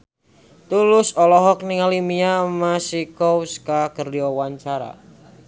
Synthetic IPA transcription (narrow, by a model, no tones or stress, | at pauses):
t̪ulʊsɔlɔɦɔk̚niŋalimiamasikowskakərdiɔwaɲt͡ʃaɾa̰